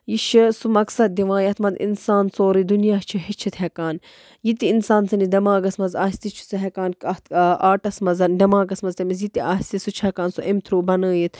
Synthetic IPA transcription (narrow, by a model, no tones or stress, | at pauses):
jiʃɐsumɐksɐd̪̚ːiʋãːjɐt̪ʰmɐnd̪ḭnsaːnsoːɾid̪unjaːt͡ʃʰiɦit͡ʃʰit̪ɦekaːn | jit̪iːnsaːnsɐnid̪ɐmaːɡɐsmɐzaːsʲt̪it͡ʃʰi̥suɦekaːnkɐt̪ʔaːʈɐsmɐzɐndɐmaːɡɐsmɐzt̪ɐmizjit̪iaːsʲt̪isut͡ʃʰɐkaːnsuʔemt̪ʰɾuːbɐnəːjit̪ʰ